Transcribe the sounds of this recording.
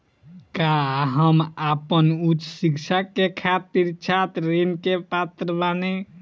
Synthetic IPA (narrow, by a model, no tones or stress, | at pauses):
kaɦəmapənut͡ʃsikt͡ʃʰakekʰat̪̚iɾt͡ʃʰat̪ɾenkepat̪ɾəbane